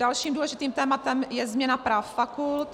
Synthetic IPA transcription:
dalʃiːmduːlɛʒɪt̪iːmt̪ɛːmat̪ɛmjɛzmɲɛnapɾaːfːakult̪

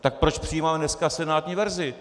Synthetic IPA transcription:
t̪ak̚pɾot͡ʃpr̝̥ɪjiːmaːmɛnɛskasɛnaːt̪ɲiːvɛɾzɪ

